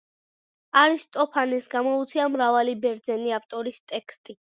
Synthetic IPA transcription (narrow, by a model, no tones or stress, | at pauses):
aɾist̪ʼɔpʰanɛsɡamɔut̪sʰiamɾavalibɛɾd̪zɛniaft̪ʼɔɾist̪ʼɛkst̪ʼi